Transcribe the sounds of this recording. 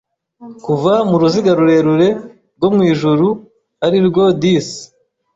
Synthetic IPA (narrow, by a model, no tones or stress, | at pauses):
kuvamuɾuziɡaɾuɾe̞ɾuɾe̞ | ɾɡo̞mŋiːʒuɾu | aɾiɾɡo̞dis